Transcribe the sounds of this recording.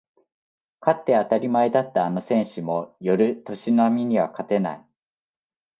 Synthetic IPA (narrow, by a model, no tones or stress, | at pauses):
kat̪ːe̞at̪aɾʲimaed̪at̪ːaːno̞sẽ̞ɰ̃ɕɨmo̞jo̞ɾɯ̟t̪o̞ɕinamʲiɲ̟iβakat̪e̞na̰i